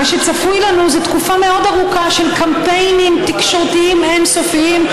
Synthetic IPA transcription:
aʃet͡safujlanuzet̪kufame̞o̞d̪aʁukaʃe̞lkampejnimt̪ikʃo̞ʁt̪iimensofiim

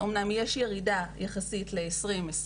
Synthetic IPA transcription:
omnamjeʃjeʁidajaχasitleːsʁimes

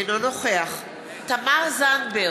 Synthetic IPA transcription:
nonoχeaχ | t̪amaʁzanbe

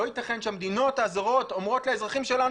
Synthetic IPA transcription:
ojit̪aχe̞nʃeamed̪ino̞taːzaʁo̞tomʁo̞tlaezʁaχimʃe̞la

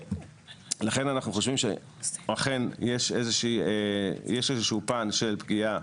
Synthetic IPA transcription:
laχe̞nanaχnuχo̞ʃvimʃe | aχe̞njeʃezeʃiːejeʃezeʃuupanʃe̞lpɡia

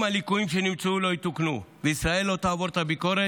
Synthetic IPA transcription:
malikuimʃenimt͡sulo̞jit̪uknuveisɾae̞lot̪aːvoɾt̪abikoɾe

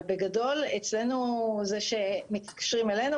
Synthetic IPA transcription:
beɡado̞let͡sle̞nuzeʃe̞mit̪kḁʃʁimelenu

